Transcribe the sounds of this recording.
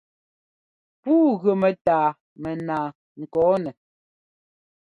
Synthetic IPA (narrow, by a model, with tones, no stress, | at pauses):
puː˦ɣə˨mɛ˨taː˨ | mɛ˨naː˨ | ŋ̩˨kɔː˨˦nɛ˨